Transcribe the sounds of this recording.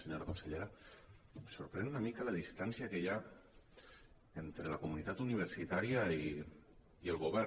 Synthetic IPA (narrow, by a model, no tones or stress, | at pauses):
seɲoɾakonseʎeɾa | suɾpɾɛnunamikələðist̪ansiakɛʎa | ent̪ɾələkumunit̪at̪uniβ̞əɾsit̪aɾiai | iəlˠɣuβɛɾ